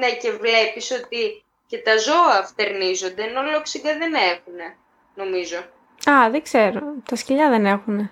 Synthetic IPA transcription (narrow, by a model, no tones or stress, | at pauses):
nece̞vle̞piso̞t̪i | ce̞t̪ɐzo̞ɐft̪e̞ɾnizo̞nd̪e̞ːno̞loksiɡɐðene̞xune̞ | no̞mizo̞ | ɐðeɡze̞ɾot̪ɐsciʎɐðene̞xune̞